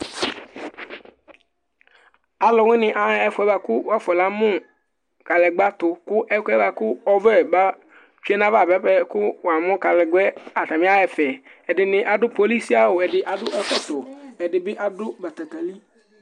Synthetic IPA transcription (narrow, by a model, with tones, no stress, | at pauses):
a˨lɔ˨wɪ̃˦nɪ̃˨ʔa˨˦ɛ˦fʊ˨ɛ˦ba˧kʊ˦wa˦fɔ˨la˨˦mʊ̃˦ | ka˨lɛ˨ɡ͡ba˦t̪ʊ˨kʊ˦ʔɛ˦kɛ˦ba˧kʊ˦ɔ˦vɛ˦˨ba˦ | t͡ʃu˦ɛ˦nã˦va˦˨bɛ˦pɛ˦kʊ˦wa˨mʊ̃˦ka˨lɛ˨ɡɛ˦a˨ta˨mɪ̃˦a˦ɛ˨fɛ˨ɛ˨dɪ˨nɪ̃˨ʔa˨dʊ˦po˨li˦si˦a˦wʊ˨ɛ˨dɪ˨ʔa˨dʊ˦ʔɛ˦fɛ˦t̪ʊ˨ɛ˨dɪ˨bɪ˦ʔa˨dʊ˦ba˨t̪ɛ˨tɛ˨li˦